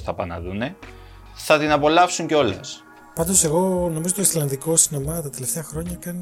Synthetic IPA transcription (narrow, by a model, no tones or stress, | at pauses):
θɐpɐnɐ̰ðune̞ | θɐt̪inɐpo̞lɐfsuɲceo̞lɐ̰s | pɐnd̪o̞se̞ɣo̞no̞mizo̞t̪oislɐnd̪iko̞sinomɐt̪ɐt̪e̞left̪e̞ɐxɾo̞ɲɐkɐni